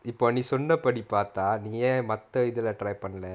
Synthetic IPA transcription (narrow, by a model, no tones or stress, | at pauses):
ɪpːoːnĩːsɔnːɐpɐɽipaːɾt̪aːnĩːjeːmɐt̪ːɐɪðɪlɐʈɾɐjpɐɳːɐlɛ